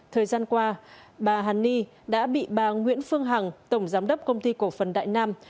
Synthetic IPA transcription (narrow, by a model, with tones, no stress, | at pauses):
t̪ʰəː˨˩jzaː˧nkwaː˧ɓaː˨˩ɦaː˨˩nːi˧ | ɗa̰ː˧˥ɓḭ˧˨ɓaː˨˩ŋwḭ˧˥ənfɨ˧əŋɦa˨˩ŋt̪ə˧˩wŋ͡mzaː˨˦mɗə˦˥p̚kə˧wŋ͡mt̪i˧ko˧˩fə˨˩nɗa̰ː˧˨jnaː˧m